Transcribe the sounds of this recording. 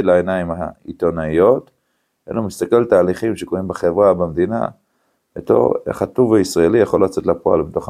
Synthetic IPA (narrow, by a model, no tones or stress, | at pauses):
laenaimhaḭt̪onaijo̞t̪ | ḛlumist̪akelt̪aːliχimʃekoʁimbeχevʁabemd̪ina̰ | ḛt̪o̰ḛχat̪uvaisʁaelijaχollat͡se̞t̪lapoa̰lbeto̞χ